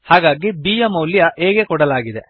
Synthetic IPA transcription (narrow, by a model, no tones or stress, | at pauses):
haːɡaːɡibijɐmɐwljɐʔeːɡekɔɽɐlaːɡid̪e